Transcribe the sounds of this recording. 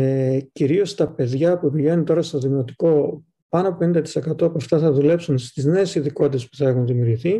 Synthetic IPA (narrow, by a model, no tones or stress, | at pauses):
eciɾio̞st̪ɐpe̞ðʝɐpupiʝenunt̪o̞ɾɐst̪o̞ðiɣnot̪i̥ko̞ | pɐnoɐpo̞penind̪ɐt̪i̥se̞kɐt̪o̞ɐpuɐft̪ɐθɐðule̞psunst̪izne̞ːsiðiko̞t̪it̪e̞spu̥θɐe̞xunðimjuːɾʝiθi